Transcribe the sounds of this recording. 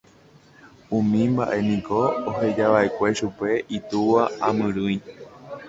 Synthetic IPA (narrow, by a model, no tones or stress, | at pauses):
ũmĩmbaʔe̞nĩkoːɦe̞d͡ʒaʋaʔekʷe̞ʃupe̞ʔit̪uʋaamɨ̃ɾuj